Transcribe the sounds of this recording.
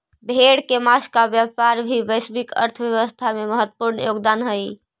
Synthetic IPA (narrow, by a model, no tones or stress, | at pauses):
bʱeɽkemaskabjəpaɾbʱiʋəjsbikə̰ɾt̪ʰbjəʋəst̪ʰameməɦət̪ːə̥puɾnjoɡd̪anɦəj